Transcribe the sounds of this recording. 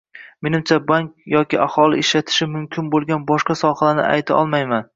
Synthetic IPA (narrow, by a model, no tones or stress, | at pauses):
me̞nɪmt͡ʃʰabaŋk̚ʲjɒkʲɪahɒlˠɪɪʃlat̪ʰɪ̥ʃɪmʊmkʲʰɪnbolˠɡʲanbɒʃqɑsɒhalanɪ̰ʔa̰jt̪ʰaʔɒlˠmajman